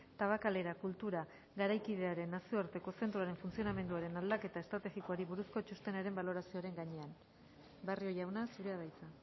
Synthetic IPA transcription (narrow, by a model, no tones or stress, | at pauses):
t̪aβakale̞ɾakult̪uɾa | ɡaɾajkið̞e̞aɾe̞nːasioaɾt̪e̞ko̞se̞nt̪ɾoaɾe̞ɱfunt͡sio̞name̞nd̪uaɾe̞nald̪ake̞t̪ae̞st̪ɾat̪e̞ɣikoaɾiβuɾusko̞t͡ʃust̪e̞naɾe̞mbalo̞ɾasioɾe̞ŋɡaɲe̞an | bario̞ʝawnasuɾe̞aðajt͡sa